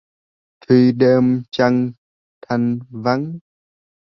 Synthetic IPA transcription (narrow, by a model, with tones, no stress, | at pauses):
t̪ʰi˧ɗe˧mt͡ɕa˧ŋ | t̪ʰa˧nva˧˦ŋ